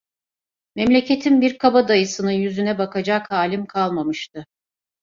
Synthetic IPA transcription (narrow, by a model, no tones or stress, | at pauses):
mɛmlʲe̞cʰe̞t̪ʰinbiɾkʰabad̪ajɯsɯnɯnjyzynɛbakʰad͡ʒakhaːlʲimkʰalˠmamɯʃt̪ʰɯ